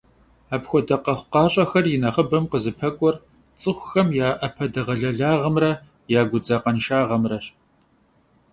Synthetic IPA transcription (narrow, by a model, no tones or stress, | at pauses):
aːpxʷɔdɐqɐχʷqɑːɕʼɐxɐrjɪnɐχəbɐmqəzɨpʰɐkʷʼɔr | t͡sʼɨxʷxɐmjaːʔɐpʰɐdɐʁɐɮɐɮaːʁɐmrɐ | jaːɡʷʊd͡zaːqɐnʃaːʁɐmrɐɕ